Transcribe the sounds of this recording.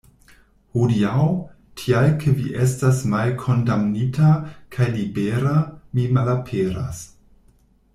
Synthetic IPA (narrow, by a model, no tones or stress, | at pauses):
hudiaw | tʰialkʰeviʔestasmalkʰo̞ndamnitakʰajlibeɾamimalapʰeɾa̰s